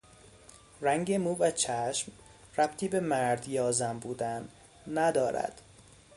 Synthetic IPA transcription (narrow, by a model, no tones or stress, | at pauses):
ræŋɟemuːvæt͡ʃʰæʃm | ræb̥t̪ʰiːbe̞mæɾd̪jɒːzæmbuːd̪ænː | æd̪ɒːɾæ̰d̪̥